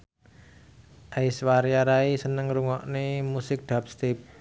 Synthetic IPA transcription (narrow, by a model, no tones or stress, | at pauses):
ʔajswaɾjaɾaisənəŋɾuŋɔʔnemusɪk̚d̪̥a̤p̚st̪ip̚